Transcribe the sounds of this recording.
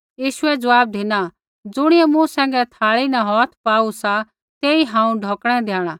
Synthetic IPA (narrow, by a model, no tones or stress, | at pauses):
jiːʃʊɛd͡zɐʋaːb̚d̪ʱina | d͡zʊɽ̃ɪɛmũsɛ̃ːŋɡɛt̪ʰaːɭinɐɦɔːt̪ʰpaːusa | t̪eːiɦãːũɖʱɔːkɽ̃ɛd̪jaːɽ̃aː